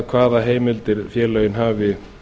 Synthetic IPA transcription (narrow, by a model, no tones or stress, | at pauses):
kʰvaːðaɦeːjmɪlt̪ɪɾ̥fjɛːlːœɥjɪnɦaːvɪ